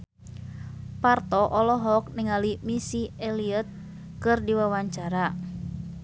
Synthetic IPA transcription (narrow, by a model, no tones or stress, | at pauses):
part̪ɔʔɔlɔɦɔk̚nɪŋalimisieliət̪̚ | kɨrdiwawaɲt͡ʃaɾa